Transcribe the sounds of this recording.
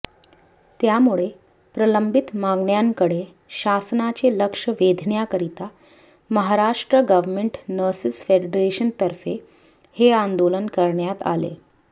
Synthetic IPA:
t̪jamuɭe | pɾələmbit̪maɡɳjaŋkəɽe | ɕasnat͡ɕeləkʂəʋed̪ʱɳjakəɾit̪a | məɦaɾaʂʈɾəɡəʋmeɳʈnəsisfeɖɖɾeɕənt̪əɾfe | heand̪olənkəɾɳjat̪a̰lḛ

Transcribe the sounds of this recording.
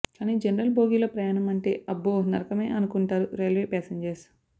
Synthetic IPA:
kaːniːd͡ʒenɐɾɐlboːɡiːlopɾɐjaːnɐmɐɳʈe̞̰ːʔɐbːoːnɐɾɐkɐme̞ːʔɐnukuɳʈaːɾuɾelʋeːpɛːseɲd͡ʒɐɾs

